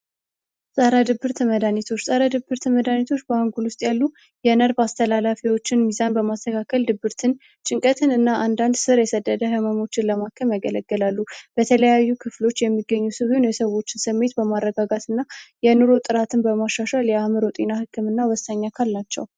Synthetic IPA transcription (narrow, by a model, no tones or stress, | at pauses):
sʼaɾad̪ɨbːɨɾt̪ʰəməd̪anit̪ʰo̞t͡ʃːsʼaɾad̪ɨbːɨɾt̪ʰəməd̪anit̪ʰo̞t͡ʃːbəhaŋɡulwʊst̪ʼjalːu | jɛnəɾbast̪ʰəlalafiwot͡ʃːɪnmizanbəmast̪ʰəkʰakʰəld̪ɨbːɨɾt̪ʰɨn | t͡ʃʼɪŋkʼət̪ʰɨnɨnːaʔand̪and̪sɨɾjɛsəd̪ːəd̪əɦəmamo̞t͡ʃːɪnləmakʰːəmjaɡələɡːəlalːub̥ət̪ʰələjajːukʰɨflo̞t͡ʃːjɛmːiɡːəɲːusɨβɨnjɛsəwo̞t͡ʃːɪnsɨmːe̞t̪bəmarːəɡaɡat̪ʰɨnːajɛnuɾo̞t̪ʼɨɾat̪ʰɨnbəmaʃaʃaljɛamɨɾot̪ʼinahɨkʰːɨmɨnːawɔst̪aɲːakʰalnat͡ʃːɛ̰w